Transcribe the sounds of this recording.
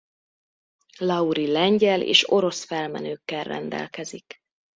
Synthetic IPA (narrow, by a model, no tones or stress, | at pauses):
lɒuɾilɛɲɟɛlḛːʃo̞ɾo̞sfɛlmɛ̰nøːkːɛrːɛ̰nd̪ɛ̰lkɛzik